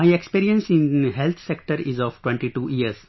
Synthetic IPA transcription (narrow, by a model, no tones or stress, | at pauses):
majekspiːɾiə̃nsɪ̃nɦelt̪ʰsek̚ʈəɾɪzɔːʋʈwẽɳʈiʈuːiəɾz